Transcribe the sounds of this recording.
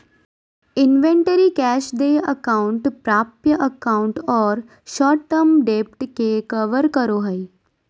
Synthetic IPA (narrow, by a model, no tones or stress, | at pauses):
ɪnʋẽɳʈəɾikɛːʃɖ̪eːəkaːʊ̃ɳʈpɾaːpjəʔəkaːʊ̃ɳʈɔːɾ | ʃɔːʈʈːəmɖeːp̚ʈkekɐʋəɾkəɾoɦɐi